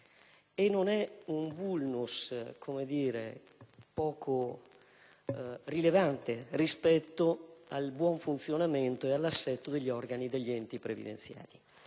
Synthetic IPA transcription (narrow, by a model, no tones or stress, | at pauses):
enːonɛumbulnuskʰomed̪iːɾḛ | pɔːkʰo | rilevant̪erispɛt̪ːoalbwɔɱfunt̪sjonament̪oealːasːɛt̪ːod̪eʎːiɔrɡanid̪eʎːiɛnt̪ipɾevḭd̪ḛnt̪sja̰ːli